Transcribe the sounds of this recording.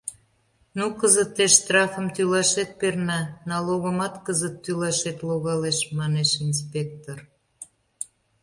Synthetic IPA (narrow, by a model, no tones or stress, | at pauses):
nukəzət̪ːeʃst̪rɑfəmt̪ylɑʃet̪̚pernɑnɑloɣəmɑt̪kəzət̪ːylɑʃet̪loɣɑleʃmɑneʃinspek̚t̪or